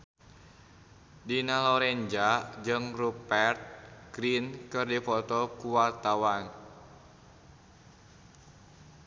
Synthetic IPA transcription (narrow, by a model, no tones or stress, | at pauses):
dinalɔɾɛɲd͡ʒad͡ʒɨŋrupɛrt̪̚ɡ̥ɾinkɨrdifɔt̪ɔkuwart̪awan